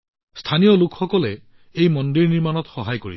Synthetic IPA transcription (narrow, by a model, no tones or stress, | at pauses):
stʰanijɔlʊkxɔkɔlɛ | ejmɔndiɹniɹmanɔtxɔɦajkoɹi